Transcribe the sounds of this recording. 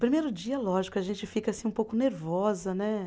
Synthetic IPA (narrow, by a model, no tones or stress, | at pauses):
pɾimejɾʊd͡ʒiɐlɔʒikʊaʒẽnt͡ʃɪfikɐasĩũpowkʊneɾvɔzɐnɛ